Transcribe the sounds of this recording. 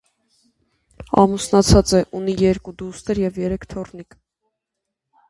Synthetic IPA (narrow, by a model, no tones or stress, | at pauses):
ɑ̰musnɑt͡sʰɑt͡sɛʔunijɛɾkud̪ust̪əɾjɛvjɛɾɛkʰt̪ʰɔrnik